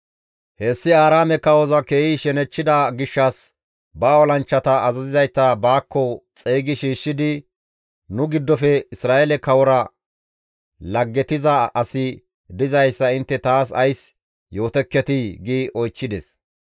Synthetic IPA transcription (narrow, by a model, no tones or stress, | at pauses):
heːsːɪaːɾaːmɛkɐwɔzɐkeːjɪʃɛnɛt͡ʃːɪd̪ɐɡɪʃːɐs | bɐːwɔlɐnt͡ʃːɐt̪ɐːzɐzɪzɐjtːɐbaːkːɔt͡sʼeːɡɪʃiːʃːɪd̪ɪ | nʊɡɪd̪ːɔfɛɪsɾaːʔɛlɛkɐwɔɾɐ | lɐɡːɛt̪ɪzɐɐsɪ | d̪ɪzɐjsːɐɪnt̪ːɛt̪aːs̬ɐjs | jo̞ːt̪ɛkːɛt̪ɪɡiːʔɔjt͡ʃːɪd̪ɛs